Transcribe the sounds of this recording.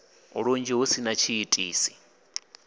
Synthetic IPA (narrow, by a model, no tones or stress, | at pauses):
ṵɺond͡ʒiɦusinat͡ʃʰiːtʼiːsi̥